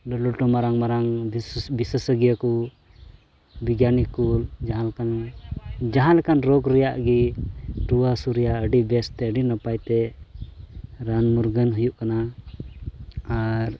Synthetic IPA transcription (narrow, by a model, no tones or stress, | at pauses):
lɔlɔʈɔmaɾaŋmaɾaŋbisəsəɡjaku | biɡjanikuld͡ʒaɦãlakan | d͡ʒaɦãlakanɾɔɡɾɛjaʔɡiʈɾuwasuɾijaəɖibɛst̪ɛəɖinapajt̪ɛ | ɾanmuɾɡənɦujuʔkana | aɾ